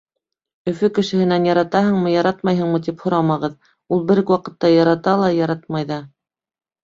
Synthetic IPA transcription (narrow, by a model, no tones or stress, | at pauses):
ɵ̆fɵkɘ̆ʃɘ̆hɘ̆nænjɑɾɑt̪ɑɦɤ̆ɴmɤjɑɾɑt̪mɑjɦɤ̆ɴmɤt̪̬iphŏɾɑmɑʁɤð | ulˠbɘ̆ɾkwɑqɤ̆t̪ːɑjɑɾɑt̪ɑlˠɑjɑɾɑt̪̚mɑjðɑ